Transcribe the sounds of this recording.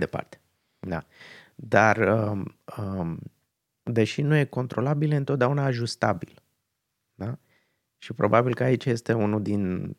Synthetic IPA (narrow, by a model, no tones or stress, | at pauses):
d̪e̞pa̰rt̪e̥ | d̪a̰d̪arəə | d̪e̞ʃinuje̞ko̞nt̪ɾo̞labileɨnt̪ot̪d̪aunaːʒust̪abḭl | d̪a | ʃipɾʔo̞̰babilkəait͡ʃje̞st̪e̞unuld̪in